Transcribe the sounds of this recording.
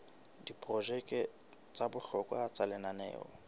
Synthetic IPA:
dipʼrɔʒɛkʼɛ | t͡sʼabʊɬɔkʼwat͡sʼalɛnanɛ̰ːɔ̰

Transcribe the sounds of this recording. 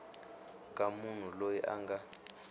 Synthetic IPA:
kʼamun̤ulojɛʔa̰ŋɡa

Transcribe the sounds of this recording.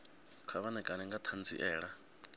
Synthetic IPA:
kʰaβanɛkʼaɾɛŋɡat̪ʰand͡zʼḭʔɛːɺa

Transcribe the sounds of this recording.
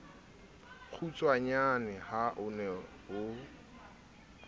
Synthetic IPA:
k͡xʰut͡sʼwaɲanɪhaʔʊnɛ | ɦʊ

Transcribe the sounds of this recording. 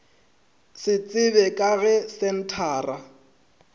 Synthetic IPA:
sɪt͡sʼɪbɛkʼaɣɛsɛn̩tʰaːra

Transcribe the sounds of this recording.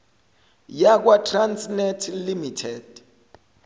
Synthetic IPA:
jak̬watʰrant͡snɛtʰlimitʰɛd̥

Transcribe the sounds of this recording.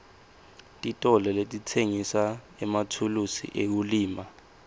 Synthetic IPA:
tʼitʼɔlɛletʼitʰeŋisa | ɛmatʰulusḭʔek̬uliːma

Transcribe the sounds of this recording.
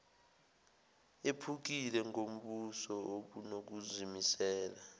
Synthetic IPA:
epʰuk̬ilɛŋom̩ɓusɔoɓunok̬uzimisɛːla

